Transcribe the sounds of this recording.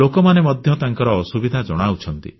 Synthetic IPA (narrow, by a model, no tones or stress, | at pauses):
okɔmanemɔd̪ʱjɔt̪aŋkɔɾɔːsubid̪ʱad͡ʒɔɽ̃aut͡ʃʰɔnt̪ḭ